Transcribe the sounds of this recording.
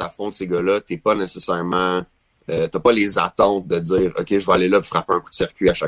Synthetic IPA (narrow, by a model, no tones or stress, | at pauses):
afχɔ̃t̪seɡʌlʌt̪ɛpʌnesesɛːʁmã | ət̪yɐpʌleza̰t̪ɑ̃ʊt̪̚d̪əd͡z̪iːʁɔ̰kʲeʒəvaalelʌpu̥fʁapeɛ̃ku̥d̪siʁkʲɥiaʃa